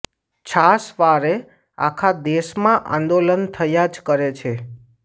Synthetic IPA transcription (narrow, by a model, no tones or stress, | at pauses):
t͡ʃʰasʋaɾe | a̰kʰad̪eʃmãʔã̰nd̪olənt̪ʰəjad͡ʒkəɾet͡ʃʰe